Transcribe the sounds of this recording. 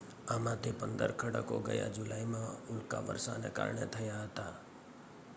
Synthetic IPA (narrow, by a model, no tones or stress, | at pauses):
amãt̪ʰipənd̪əɾkʰəɽəkoɡəja̰d͡ʒʊlaimãʊlkaʋə̰ɾsaneka̰ɾɳet̪ʰəjaɦət̪a